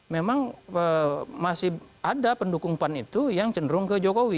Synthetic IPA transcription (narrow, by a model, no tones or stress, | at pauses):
memaŋəmasɪhadapəndukuŋpanit̪ujaŋt͡ʃəndɾʊŋkəd͡ʒokowi